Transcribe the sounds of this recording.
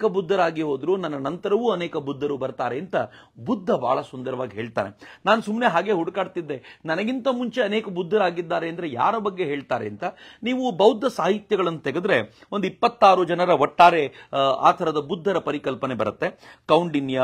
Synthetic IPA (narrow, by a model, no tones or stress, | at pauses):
kɐbud̪ʱːɐɾaːɡiɦoːd̪ɾunɐnːɐnɐnt̪ɐɾɐʋuːɐneːkɐbud̪ʱːɐɾubɐɾt̪aːɾeːnt̪ɐ | bud̪ʱːɐbʱa̰ːɭɐsund̪ɐɾɐʋaːɡiɦe̞ːɭt̪a̰ːnenaːnusumne̞ɦaːɡe̞ɦuɽkaːɖt̪id̪ːe̞nɐnɐɡint̪ɐmuɲt͡ʃe̞ɐneːkɐbud̪ʱːɐɾaːɡid̪ːaːɾeɐnd̪ɐɾe̞ja̰ːɾɐbɐɡːe̞ɦeːɭt̪aːɾeːnt̪ɐniːʋubɐwd̪ʱːɐsaːɦit̪jɐɡɐɭɐnːut̪eɡed̪ɾe̞ond̪uipːɐt̪ːaːɾud͡ʒɐnɐɾɐɔʈːaːɾea̰ːt̪ʰɐɾɐd̪ɐbud̪ʱːɐɾɐpɐɾikɐlpɐne̞bɐ̰ɾɐt̪ːe̞kɐwɳɖinjɐ